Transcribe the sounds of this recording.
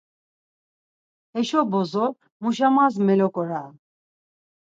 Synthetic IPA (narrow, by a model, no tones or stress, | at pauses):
ɛʃɔbɔzɔ | muʃamazmɛlɔkʼɔɾa